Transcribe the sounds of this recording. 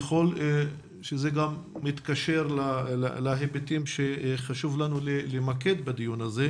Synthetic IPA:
χo̞l | ʃeze̞ɡamːit̪kaʃeʁlala̰laɦebet̪imʃeχaʃuvlanulelemake̞d̪bad̪ijunaze

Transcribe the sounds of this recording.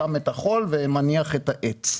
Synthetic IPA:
ametaχo̞lvemaniaχetaʔet͡s

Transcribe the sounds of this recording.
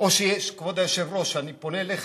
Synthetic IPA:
osieskβod̪eseβrosaniponeleχ

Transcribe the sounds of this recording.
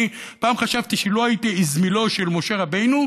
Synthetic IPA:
paːmχaʃavtiʃelo̞ajit̪iizmilo̞ʃe̞lmo̞ʃe̞ʁabejnu

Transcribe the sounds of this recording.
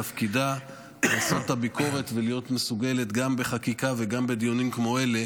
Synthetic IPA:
afkida | asotabiko̞ʁe̞tvelijo̞tmesuɡe̞le̞tɡambe̞χakikave̞ɡambe̞d̪ijonimkmo̞ele̞

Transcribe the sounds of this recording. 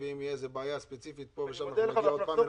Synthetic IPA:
veimijeezebeːjaspet͡sifit̪̚poveʃalpa

